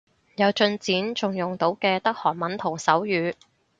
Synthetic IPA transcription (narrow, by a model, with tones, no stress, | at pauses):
jɐ˨˧wt͡ʃɵ˧nt͡siː˨˥nt͡sʊ˨ŋjʊ˨˩ŋt̪o˨˥wkɛː˧t̪ɐ˥k̚hɔː˨˩nmɐ˨˥nt̪ʰʊ˨˩ŋsɐ˨˥wjyː˨˧